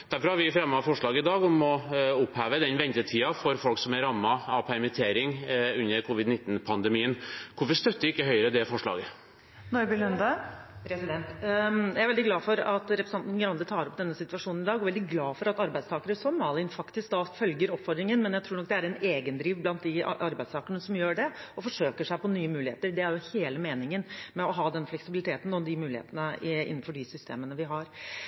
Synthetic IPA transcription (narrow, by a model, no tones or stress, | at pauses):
d̪̥æɾfɔɾhɑɾʋɪfɾɑmːɑfɔʂɭɑːɡəɪd̪ɑːɡɔmɔʊphæːʋəd̪ɛnʋɛnt̪ətʰiːɑfɔɾfɔlksɔmæɾɑmːɑɑpʰæɾmɛt̪ʰeːɾɪŋʉnːəɾkʰʊʋɪd̪nɪt̪ːn̩pʰɑnd̪ɛmiːənkʰʊɾfɔɾʂt̪œt̪ːəɾɪkːəɦœʏəɾəd̪ɛfɔʂɭɑ̰ːɡə | nɔɾbɪlʉnd̪ə | pʰɾɛsɪd̪ɛnt̪jæɾɛld̪ɪɡlɑːfɔɾɑt̪ɾɛpɾɛsɑnt̪n̩ɡɾɑnd̪ət̪ʰɑːɾɔp̚d̪ɛnːəsɪt̪ʋɑʂuːnn̩ɪd̪ɑːɡɔʋɛld̪ɪɡlɑːfɔɾɑt̪ɑɾbæɪst̪ɑːkəɾəsɔmːɑːlɪnfɑkt̪ɪsk̚d̪ɑːfœlɡəɾɔpfɔd̪ɾɪŋənmɛnjæɪt̪ɾuːɳɔk̚d̪ɛæɾɛneːɡənd̪ɾiːʋblɑnt̪̚d̪ɪ̰ʔɑɾbæɪst̪ʰɑːkəɳəsɔmjøːɖɛɔfɔʂøːkəʂæɪpɔnyːəmʉːlɪhḛːt̪əɾɖɛæɾjʊheːləmeːnɪŋənmɛɔɦɑːd̪ɛnflɛksɪbɪlɪt̪ʰeːt̪n̩ɔmd̪ɪmʉːlɪhḛːt̪ənəɪ̰nːn̩fɔɖɪsʏst̪ʰḛːmənəʋɪɦɑɾ